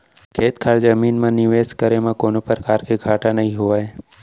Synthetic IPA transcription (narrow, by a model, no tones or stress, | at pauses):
kʰeːt̪kʰaːɾd͡ʒəmiːnmãnɪʋeːskəɾemãkoːnopəɾəkaːɾkeɡʱaːʈanəɦĩɦʊʋaːe